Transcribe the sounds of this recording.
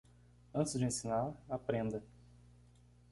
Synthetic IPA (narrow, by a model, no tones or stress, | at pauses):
ɐ̃nt͡ʃɪzd͡ʒɪẽsinaɾapɾẽnd̪ɐ